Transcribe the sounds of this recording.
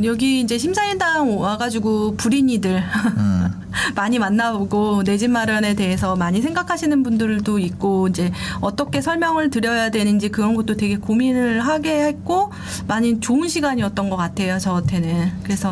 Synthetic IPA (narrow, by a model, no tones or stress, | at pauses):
jʌɡiːnd͡ʑe̞ɕʰimsʰaiɭdaŋwaɡad͡ʑiɡopuɾiɲidɯɭ | maɲimanːaboɡone̞d͡ʑinmːaɾjʌne̞te̞ɦesʰʌmaɲis̬ʰe̞ŋɡakʰaɕʰinɯnbundɯɭdoik̚k͈oind͡ʑe̞ʌt͈ʌkʰe̞sʰʌɭmjʌŋɯɭtɯɾjʌjadwe̞nɯnd͡ʑikɯɾʌnɡʌt̚t͈otwe̞ɡe̞kominɯɭɦaɡe̞hek͈o | maɲit͡ɕoɯnɕʰiɡaɲiʌt̚t͈ʌnɡʌk͈atʰe̞jot͡ɕʌtʰe̞nɯnkɯɾe̞sʰʌ